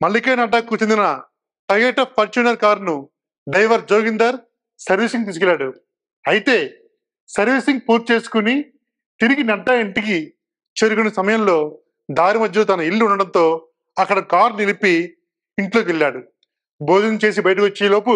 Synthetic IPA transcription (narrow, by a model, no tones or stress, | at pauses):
mɐɭːikɐːnɐɖːaːkːuːt͡ʃe̞nd̪inɐ | ʈɐɡeːʈɐpʰɐɾt͡ʃuːnɐɾkaːɾnu | ɖɐjʋɐɾd͡ʒoːɡind̪ɐɾ | sɐɾʋiːsiŋɡ̚t̪iːsukɛlːaːɽu | ɐjit̪e̞ː | sɐɾʋisiŋɡ̚puːɾt̪̚t͡ʃe̞ːsu̥kuni | t̪iɾiɡinɐɖːɐːiɳʈiki | t͡ʃeːɾukunɐsɐmɐjɐmlo̞ː | d̪aːɾimɐd̪ːɐlot̪̬ɐnɐilːuuɳɖɐɽɐnt̪o̞ː | ɐkːɐɽɐkaːɾnilipi | iɳʈloːkeɭːaːɽu | boːd͡ʒ̪ɐnt͡ʃe̞ːsibɐjɐʈɐkot͡ʃːeːlo̞ːpu